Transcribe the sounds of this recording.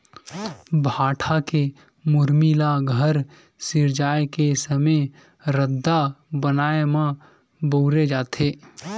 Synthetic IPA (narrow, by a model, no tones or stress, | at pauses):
bʱaːʈʰake | mʊɾmilaɡʱəɾ | sɪɾd͡ʒaːekesəməj | ɾəd̪ːabənaːemã | boʊɾed͡ʒaːt̪ʰeː